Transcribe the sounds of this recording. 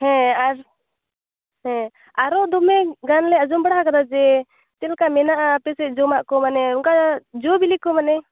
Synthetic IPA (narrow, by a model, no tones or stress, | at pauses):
hɛ̃aɾ | hɛ̃ | aɾɔd̪ɔmɛɡanlɛad͡ʒɔmbəɽahakad̪ad͡ʒɛ | t̪ɛlkamɛnaʔapɛsɛˀd͡ʒɔmaʔkɔmanɛuŋkad͡ʒɔbilikɔmanɛ